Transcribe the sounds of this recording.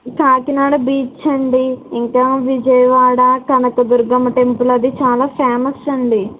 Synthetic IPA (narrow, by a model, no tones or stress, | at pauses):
kaːkinaːɽɐbiːt͡ʃɐɳɖiiŋkɐʋid͡ʒɐjɐʋaːɽɐkɐnɐkɐd̪uɾɡɐmɐʈempulɐd̪it͡ʃaːlaːpʰaːmɐsɐɳɖi